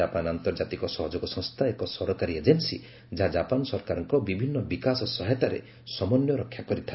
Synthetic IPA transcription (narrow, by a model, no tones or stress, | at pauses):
apanant̪ɔɾd͡ʒat̪ikɔsɔɦɔd͡ʒoɡɔsɔ̃ŋ̃st̪ʰaekɔsɔɾɔkaɾied͡ʒensḭ | d͡ʒɦad͡ʒapanɔsɔɾkaɾɔŋkɔbibʱinːɔbikasɔsɔɦɛt̪aɾḛ | sɔmɔnjɔɾɔkʰːjakɔɾit̪ʰa